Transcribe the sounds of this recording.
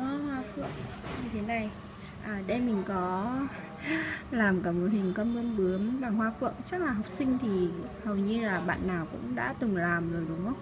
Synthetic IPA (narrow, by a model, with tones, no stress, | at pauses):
ʔɔ˧hwaː˧fɨ̰˧˨əŋ | ɲɨ˨˧˩t̪ʰe˨˦na˨˩j | ʔəː˨˩ɗe˧mï˨˩ŋ̟kɔ˨˦ | laː˨˩mkaː˧˩mo̰˨˩t̚hï˨˩ŋ̟kə˧mʔə˧nɓɨ˨˦əmɓaː˨˩ŋhwaː˧fɨ̰˧˨əŋt͡ɕa˦˥k̚laː˨˩ɦa˨˩wk͡p̚sï˧ŋ̟t̪ʰi˨˩hə˨˩wɲɨ˧laː˨˩ɓa̰ː˧˨nːaː˨˩wkʊ̰˧˥ŋ͡mɗa̰ː˧˥t̪ɨ˨˩ŋlaː˨˩mzoː˨˩jɗʊ˨˦ŋ͡mʔə˧˦wŋ͡m